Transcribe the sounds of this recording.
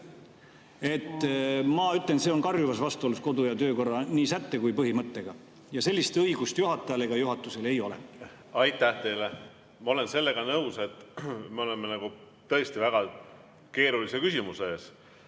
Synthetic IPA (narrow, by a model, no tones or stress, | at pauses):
e̞t̪ːmɑyt̪lense̞o̞nkɑrjuvɑsvɑst̪uolusko̞d̪ujɑt̪ø̞ːko̞rːɑniːsæt̪ːe̞kujpɤɦimɤt̪ːe̞ɡ̥ɑ | jɑse̞lːist̪ɤiɡ̥ust̪juɦɑt̪ːˑɑjɑleɡ̥ɑjuɦɑt̪ːˑuse̞le̞jo̞lḛ | ɑjt̪ːæht̪e̞jle | mɑo̞lense̞lːe̞ɡ̥ɑnɤwse̞t̪ːˑmeo̞lemːenɑɡ̥u | t̪ɤest̪ivæɡ̥ɑ | ke̞ːɾulisekysʲimuseeːs